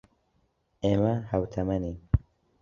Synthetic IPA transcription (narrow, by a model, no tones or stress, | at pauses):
emahɐwt̪ʰɐmɐni